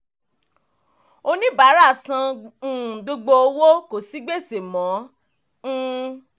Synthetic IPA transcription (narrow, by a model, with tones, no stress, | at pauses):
o˧nĩ˦ba˨˦ɾa˦˨sã˧ũ˨ɡo˧ɡ͡bo˧o˧wo˦ko˨si˨˦ɡ͡be˦˨se˨mɔ̃˨˦